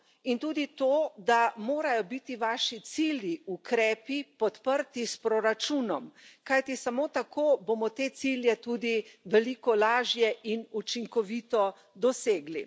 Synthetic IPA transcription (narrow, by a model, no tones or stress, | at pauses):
int̪uːd̪it̪od̪amoːɾajɔbit̪iʋaːʃit̪siːljiukɾɛːpipɔt̪pəɾt̪ispɾɔɾat͡ʃuːnɔmkajt̪isamoːt̪akʰoːbomɔt̪et̪siljɛt̪uːd̪iʋɛlikɔlaːʒjɛʔinut͡ʃiŋkɔʋiːt̪ɔ | d̪ɔseːɡli